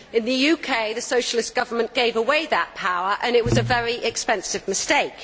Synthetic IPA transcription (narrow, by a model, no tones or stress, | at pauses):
ɪ̃nðəjʉːkʰeɪðəsəʊʃəlɪsɡ̥ʌvəmə̃nɡ̥eɪvəweɪðəʔ̚pʰaʊəɹʔə̃nɪʔ̚wɒzəvɛɹiʔɪkspɛ̃nsɪvmɪsteɪk